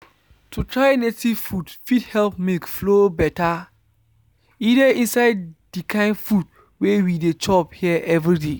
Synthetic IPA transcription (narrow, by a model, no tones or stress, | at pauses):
tutʰɹaɪnetiv̥fudfidhɛlpmilkflobɛta | idəĩnsaɪddikʰãɪ̃ndfud̚ | wewidet͡ʃɔphiɛʔɛvɹide